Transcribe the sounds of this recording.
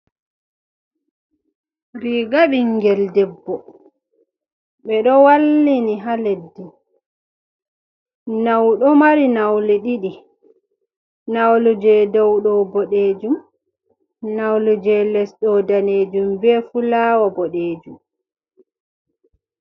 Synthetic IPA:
ɾiɡaɓiŋɡɛldɛbːɔ | ɓɛɗɔwalːiniɦaledːi | nawɗɔmaɾinawlɛɗiɗi | nawlud͡ʒɛdɔwɗɔbɔɗeːd͡ʒum | nawlud͡ʒɛlɛsɗɔdaneːd͡ʒumbɛfulaːwabɔɗeːd͡ʒum

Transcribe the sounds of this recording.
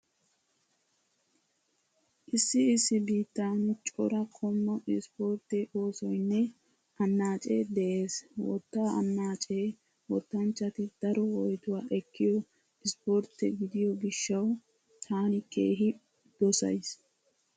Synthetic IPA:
ʔɪsːɪɪsːɪbiːt̪ːaːnʊt͡ʃʼɔɾɐkʰɔmːɐɪspoːɾt̪ːɛʔoːsɔjnːɛ | ɐnːaːt͡ʃʼḛːd̪ɛʔeːswɔ̰t̪ːaːʔɐ̰nːaːt͡ʃʼeː | wɔt̪ːɐnt͡ʃːɐt̪ɪd̪̥ɐɾɔwɔjt̪ʊwaːʔɛkʰːɪjɔ | ɪspoɾt̪ɛɡɪd̪ɪjɔɡɪʃːɐw | t̪ʰaːnɪkʼḛːɦɪ | d̪̥ɔsɐ̰js

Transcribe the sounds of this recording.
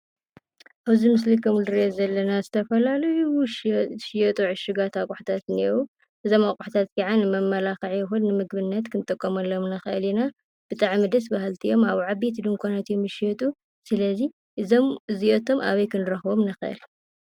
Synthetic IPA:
ʔaβzimɨs̬likʰɐmuld̪ɨɾezɐlːɐnazɨt̪ʰɐfɐlalɐjuʃʃjɛt̪ʼuʕɨʃɨɡat̪akʼʊħt̪ʰat̪niwu | ʔɨzo̞makʼʊħt̪ʰat̪kʰiʕanɨmɐmːɐlaxɐʕjɛxunnɨmɨɡbɨnːɐt̪kʰɨnɨt̪ʼɐkʼːɐmɐlːomnɐxʔɨlina | b̥ɨt̪ʼaʕmid̪ɐsbaɦɨlt̪ʰijo̞maβʕaβet̪d̪ɨŋkʷʰanat̪jumɨʃjɛt̪ʼu | sɨlɐzi | ʔɨzomɨziot̪ʰo̞mʔa̰βɐjkʰɨnɨɾɐxbo̞mnɐxʔɨ̰l

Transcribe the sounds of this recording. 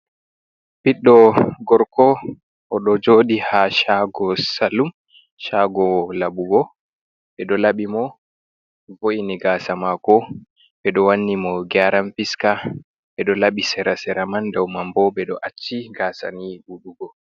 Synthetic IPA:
piɗːɔɡɔɾkʰɔ | ʔɔɗɔd͡ʒoɗihaʃaɡɔsalum | ʃaɡɔlabuɡɔ | ɓɛɗɔlaɓimɔ | voiniɡasamakɔ | ɓɛɗɔwanːimɔɡaɾamfiska | ɓɛɗɔlaɓisɛɾasɛɾamandawmambɔɓɛɗɔʔat͡ʃːiɡasa̰nibuɗuɡɔ

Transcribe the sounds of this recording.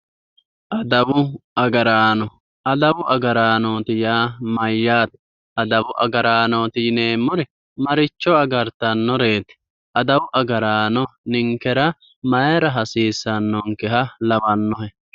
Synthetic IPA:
ʔɐd̪ɐwʊɐɡɐɾaːnɔ | ɐd̪ɐwʊʔɐɡɐɾaːnoːt̪ɪjaːmɐjːaːt̪ | ɐd̪ɐwʊʔɐɡɐɾaːnoːt̪ɪneːmːʊɾɛ | mɐɾɪt͡ʃːɔɐɡɐɾt̪ɐnːɔɾe̞ːt̪ɛ̥ | ʔɐd̪ɐwʊʔɐɡɐɾaːnɔnɪŋkɛɾɐ | mɐjɛɾɐɦɐsiːsːɐnːɔŋkɛɦɐlɐbɐnːɔhɛ

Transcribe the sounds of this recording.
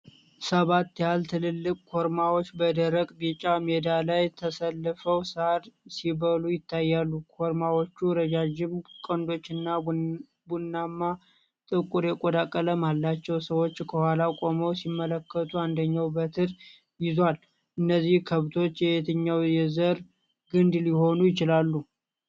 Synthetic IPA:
səβat̪ːjalt̪ʰɨlɨlːɨkʼkʰo̞ɾmawo̞t͡ʃːbəd̪əɾəkʼbit͡ʃʼamed̪alajt̪ʰəsəlːɨfəwsad̪siβəlujɪt̪ʰːajːalːukʰoɾmawo̞t͡ʃːuɾəd͡ʒad͡ʒɪmkʼənd̪o̞t͡ʃːɨnːa | bunːamːa | t̪ʼɨkʼuɾjɛkʼod̪akʼːələmalːat͡ʃːɛwsəwo̞t͡ʃːkʰəhʷalakʼo̞məwsimːələkːət̪ʰuand̪əɲːawbət̪ʰɨɾ | jɪzwal | ʔɨnːəzːihkʰəβt̪ʰo̞t͡ʃːjɛhet̪ʰəɲːawjɛzəɾ | ɡɨnd̪liho̞nujɪt͡ʃɪlalːu

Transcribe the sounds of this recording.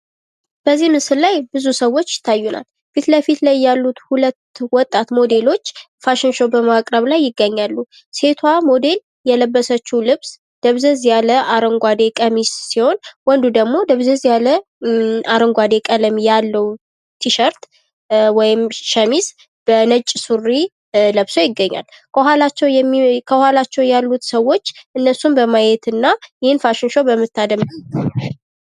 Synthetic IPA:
b̥əzːimɨsɨllajbɨzusəwːo̞t͡ʃːjɪ̥t̪ʰːajːuna̰l | fit̪ləfit̪lajːalːut̪hulət̪ːwɔt̪ʼːat̪mo̞d̪e̞lo̞t͡ʃː | faʃɪnʃobəmakʼɾəβlajːɪɡːəɲːalːu | se̞t̪ʰwamo̞d̪e̞l | jɛləbːəsət͡ʃːulɨβs | d̪̥əβzəzjaləʔaɾəŋɡʷad̪e̞kʼəmisːiho̞nwɔnd̪ud̪əɡmo̞d̪əβzəzjalə | aɾəŋɡʷad̪e̞kʼələmjalːəw | t̪ʰiʃəɾt̪ | wɔjɪmʃəmis | b̥ənət͡ʃʼːsurːi | ləβso̞jɪɡːəɲːa̰lkʰəɦalat͡ʃːɛwkʰəhalat͡ʃːɛwjalːut̪səwːo̞t͡ʃːʔɨnːəsumbəmajɛt̪ɨnːajɪhɨnfaʃɪnʃobəmːɨt̪ːad̪əmbəmt̪ʰa

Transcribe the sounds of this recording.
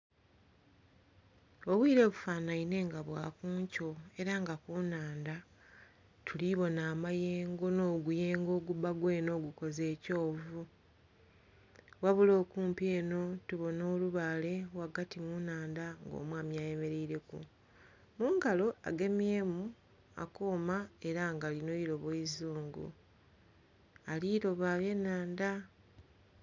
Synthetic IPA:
oβwiːɾe̞βufanaine̞ŋɡaβwaːkuːɲco̞e̞ɾaŋɡakuːnaːnda | tʰuliβo̞naːmajeːŋɡo̞no̞ːɡuje̞ːŋɡo̞ːɡubaɡwe̞ːno̞ːɡuko̞ze̞ːco̞ːvu | waβulo̞ːkuːmpie̞ːno̞tuβo̞no̞ːluβale̞waɡatimunaːndaŋɡo̰ːmwaːmjaːje̞me̞ɾeiɾe̞kṵ | muːŋɡalo̞ʔa̰ɡe̞mje̞ːmu | a̰koːmae̞ɾaŋɡalino̞iɾo̞βoizuːŋɡṵ | aliːɾo̞βaβje̞naːnda

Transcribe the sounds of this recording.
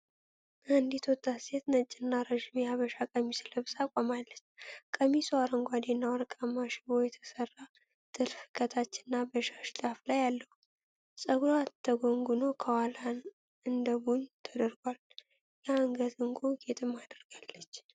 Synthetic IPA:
and̪it̪ʰot̪ʼːaset̪nət͡ʃʼːɪnːaɾəʒimjɛaβəʃakʼəmisɨləβsakʼamalːət͡ʃːkʼəmisuaɾəŋɡʷad̪enːawɔɾkʼamːaʃɪβo̞jɛt̪ʰə̥sərːa | t̪ʼɨlfɨ̥kʰət̪ʰat͡ʃːɪnːabəʃaʃt̪ʼaflajalːəhu | sʼəɡɾat̪ʰːəɡoŋɡunokʰəwalan | ɨnd̪əbunt̪ʰəd̪əɾɡʷal | jaaŋɡəzɨŋɡoɡe̞t̪ʼɨmːad̪əɾɡ̥alːət͡ʃː

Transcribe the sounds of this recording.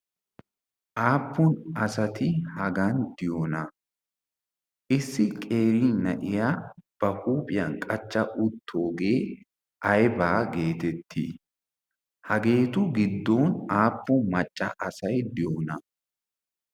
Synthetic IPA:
ʔaːpːʊnɐsɐt̪ɪhɐɡɐnd̪̥ɪjoːnɐ | ʔɪsːɪkʼe̞ːɾiːnɐ̰ʔɪjab̥ɐkʼuːpʼɪjɐnkʼɐt͡ʃːɐʔʊt̪ʰːo̞ːɡe̞ː | ʔɐjbaːɡe̞ːt̪ɛt̪ʰːḭ | hɐɡe̞ːt̪ʊɡɪd̪ːo̞ːnaːpːʊmɐt͡ʃʼːɐ̰ʔɐsɐjd̪ɪjoːnɐ

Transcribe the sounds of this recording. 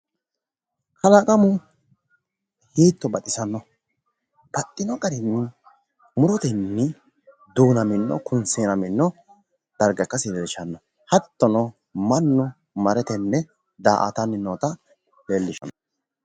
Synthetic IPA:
kʰɐlakʼɐmʊ | hiːt̪ːɔbɐt̪ʼɪsɐnːɔ | b̥ɐt̪ʼːɪnɔɡɐɾɪnːɪ | mʊɾɔt̪ɛnːɪ | d̪uːnɐmɪnːɔ̰kʊnseːnɐmɪnːɔ | d̪̥ɐɾɡɐkːɐsɪdɛdɪʃɐnːɔ | hɐt̪ːɔnɔ | mɐnːʊ | mɐɾɛt̪ɛnːɛ | d̪aːʔa̰t̪ɐmɪnːoːt̪ɐ | leːlːɪʃɐ̰nɔ

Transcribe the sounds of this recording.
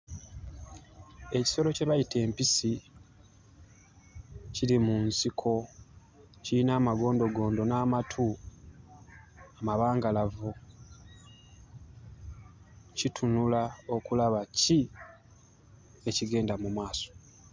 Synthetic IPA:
e̞ci̥so̞lo̞ce̞βajitʰe̞ːmpisi | cilimunsikʰo̞ | ciinaːmaɡo̞ːndo̞ɡo̞ːndo̞naːmatʰu | amaβaːŋɡalavu | citʰunulao̞kulaβaci | e̞ciɡe̞ːndamumwaːso̥

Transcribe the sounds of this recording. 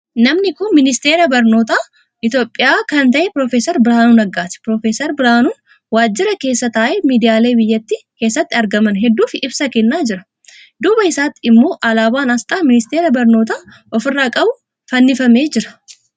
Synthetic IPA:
nɐmnɪkʊnmɪnɪst̪e̞ːɾɐbɐɾno̞ːt̪aː | ʔɪt̪jo̞ːpʼːɪjaːkɐnt̪ɐʔɛpɾoːfeːsɐɾbɪɾaːnuːnɐɡːaːt̪ɛ̥pɾoːfeːsɐɾbɪɾaːnuːn | waːd͡ʒːɪɾɐke̞ːsːɐt̪aːʔeːmiːd̪ɪjaːle̞ːbɪjːɐt̪ːike̞ːsːɐt̪ːɪɐɾɡɐmɐnɦɛd̪ːuːfɪʔɪbsɐkɛnːaːd͡ʒɪɾɐ̥ | d̪ʊːbɐɪsaːt̪ːɪɪmːo̞ːʔɐlaːbaːnɐst̪ʼaːmɪnɪst̪e̞ːɾɐbɐɾno̞ːt̪aː | ʔɔfɪrːaːkʼɐbʊ | fɐnːɪfɐme̞ːd͡ʒɪɾɐ̥

